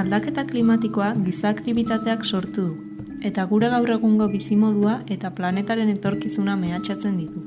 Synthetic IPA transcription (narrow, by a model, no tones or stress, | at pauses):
ald̪ake̞t̪aklimat̪iko̞aɡisaːkt̪iβ̞it̪at̪e̞akso̞ɾt̪uðu | e̞t̪aɣuɾe̞ɣ̞awre̞ɣ̞uŋɡo̞βisimo̞ð̞uaʔe̞t̪aplane̞t̪aɾe̞ne̞t̪o̞ɾkisuname̞at͡ʃat͡se̞nd̪it̪u